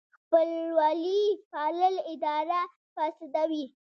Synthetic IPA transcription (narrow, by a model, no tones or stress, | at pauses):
xpəlwɑlifɑlɪlɪd̪ɑɾa | fɑsɪd̪awi